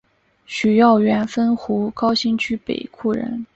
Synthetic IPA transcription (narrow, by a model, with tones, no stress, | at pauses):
ɕy˨˩jɑ˥˩ʊɥɛ˧˥nfə˥nxu˧˥kɑ˥ʊɕi˥ŋt͡ɕʰy˥pḛ˨˩ɪkʰu˥˩ɻə̰˧˥n